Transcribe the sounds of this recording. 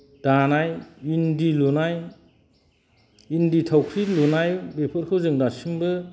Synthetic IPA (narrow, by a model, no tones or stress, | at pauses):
d̥anajindilunaj | inditʰawkʰɾilonajbepʰɯɾ̚kʰɯwzɯŋdasiŋbɯ